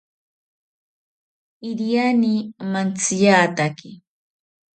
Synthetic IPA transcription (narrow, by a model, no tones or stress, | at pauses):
ɪɾijanimant͡sɪjaːt̪akɪ